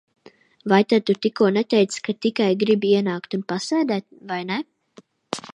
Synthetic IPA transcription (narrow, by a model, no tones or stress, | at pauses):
vajt̪ad̪̚t̪ut̪ikuɔnɛt̪ɛjt̪skat̪ikajɡɾibiiɛnaːkt̪unpasæːd̪æːt̪̚vajnɛ